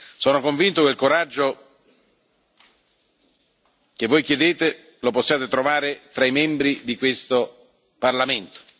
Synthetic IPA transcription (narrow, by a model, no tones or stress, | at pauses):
sɔːnokoɱvint̪okeilkoɾad͡ʒːo | k̟evːojk̟jed̪eːt̪e | loposːjaːt̪et̪ɾovaːɾet̪ɾaimɛmbɾid̪ikwest̪o | parlament̪o̥